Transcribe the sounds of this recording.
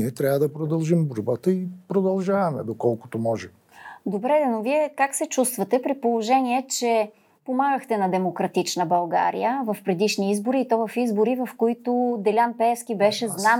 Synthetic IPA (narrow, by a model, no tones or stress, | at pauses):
niɛt̪ɾʲavəd̪ɐpɾod̪ɐlˠʒimboɾbat̪əipɾod̪ɐlˠʒavɐmɛ̰d̪okɔlˠkʊ̥t̪omɔʒɛ | d̪obɾɛd̪ɛnoviɛkaksɛt͡ʃust̪vɐt̪ɛpɾipolˠoʒɛniɛt͡ʃɛ | pomaɡəxt̪ɛnɐd̪ɛmokɾɐt̪it͡ʃnəbɐlˠɡa̰ɾḭjəvɐfpɾɛd̪iʃniizboɾiːt̪ɔvɐfizboɾivɐfkoit̪ʊd̪ɛlʲanpɛɛfsk̟ibɛʃɛzna